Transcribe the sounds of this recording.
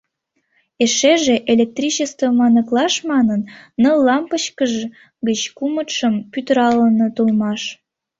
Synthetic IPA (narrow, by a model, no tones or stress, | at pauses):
eʃeʒeʔelʲek̚t̪rʲit͡ɕəst̪vomɑnəklɑʃmɑnənːəlːɑmpəɕkəʒ | ɡət͡ɕkumət̪ʃəmpyt̪əɾɑlənot̪ulmɑʃ